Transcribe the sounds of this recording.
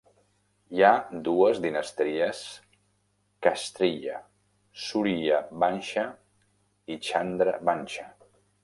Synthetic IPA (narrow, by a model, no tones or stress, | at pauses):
jad̪uəzd̪inəst̪ɾiəs | kast̪ɾiʎə̰ | suɾiʎəbanʲʃə | it͡ʃand̪ɾəβanʲʃə